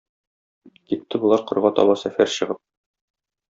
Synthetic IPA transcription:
kit̪ːɘbulˠɑɾqɤ̆ɾʁɑt̪ɒ̰bɑsæfæɾɕɤ̆ʁɤp̚

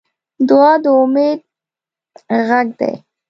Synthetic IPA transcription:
d̪ʊɑd̪əʊmed̪̚ | ɣaɡ̚d̪a̰j

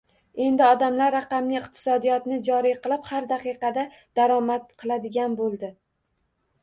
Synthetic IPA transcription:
e̞nd̪ɪɒd̪amlaɾːaqɑmnɪɪqt̪ʰɪ̥sɒd̪ijɒt̪nɪd͡ʒɒɾijqɨlˠɪphaɾd̪aqɨqɑd̪a | d̪̥aɾɒmat̪̚qʰɨlˠad̪ɪɡʲanbolˠd̪ɪ

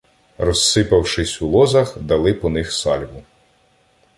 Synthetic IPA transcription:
rɔsːɪpɐwʃɪsʲulˠɔzɐxd̪ɐlˠɪpɔnɪxsɑlʲbʊ

